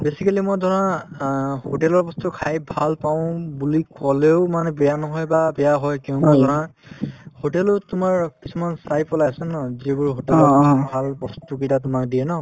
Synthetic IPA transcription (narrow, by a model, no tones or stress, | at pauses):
besikalimɔdʱɔɹã | hoʈɛlɔɹbɔstʊkʰajbʱalpaʊ̃bulikɔleʊmanɛbɛjanɔɦɔjbabɛjaɦɔjkɛʊ̃badʱɔɹã | hotɛlʊtʊmaɹkisumansajpɔlajsɛnɔzibuɹɦotɛlɔɹɔbʱalbɔstukitat̬ʊmak̚dijɛnɔ